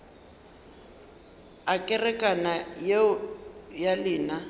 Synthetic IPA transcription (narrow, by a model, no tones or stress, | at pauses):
akʼɛrɛkʼanaje | jalɪːna